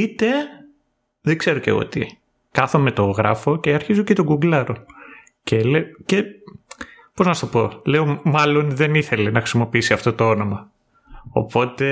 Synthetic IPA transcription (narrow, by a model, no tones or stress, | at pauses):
it̪e̞ | ðeɡ̥ze̞ɾocḛo̰t̪ḭ | kɐθome̞t̪oɣɾɐ̰fo̞ce̞ɐɾçizocet̪oɡuɡlɐɾo̞ | celece | po̞znɐst̪opo̞leomɐlo̞nðe̞niθe̞le̞nɐxɾisimo̞piisiɐft̪ot̪oono̞mɐ | o̰po̞t̪e̞